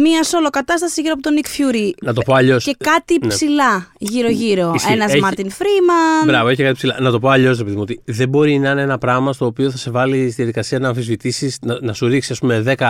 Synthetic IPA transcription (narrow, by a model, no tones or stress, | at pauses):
miɐso̞lo̞kɐt̪ɐst̪ɐsiʝiɾoɐpot̪o̞nikfçuɾinɐt̪o̞poɐʎo̞sce̞kɐt̪isilɐʝiɾo̞ʝiɾo̞senɐzmɐɾt̪infɾimɐbɾɐvoeçikɐt̪ipsilɐnɐt̪o̞p̬o̞ɐʎo̞s̬ɾepe̞ðimuo̞t̪iðe̞bo̞ɾinɐineenɐpɾɐɣmɐst̪o̞ːpio̞θɐse̞vɐlist̪iðjɐðikɐsiɐnɐːɱfizvit̪isisnnɐsuɾiksisɐspume̞ðe̞kɐ